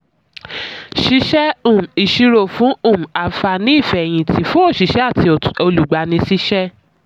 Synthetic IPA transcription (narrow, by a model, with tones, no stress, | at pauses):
ʃi˧ʃɛ˦ũ˨m̩˨i˨ʃi˧ɾo˨fũ˨˦ũ˦˨m̩˨a˨fa˧˨nĩ˦i˦˨fɛ˨j̃ĩ˧˨tʰi˧fũ˦o˦˨ʃi˨˧ʃɛ˦a˦˨ti˧o˧lu˨ɡ͡ba˧˨nĩ˧si˦ʃɛ˦